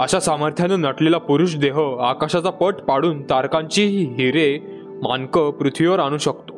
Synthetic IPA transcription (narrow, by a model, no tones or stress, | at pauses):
əɕasaməɾt̪ʰjanənəʈlelapuɾuːɕd̪eɦəakaɕat͡sapəʈpaɽuːnt̪aɾkãɲt͡ɕiɦiɦiɾe | maŋkəpɾut̪ʰʋiʋəɾaɽ̃uːɕəkt̪o̥